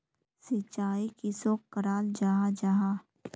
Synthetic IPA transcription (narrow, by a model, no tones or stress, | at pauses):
sɪt͡ʃaːikɪsokːəɾaːld͡ʒaːɦad͡ʒaɦa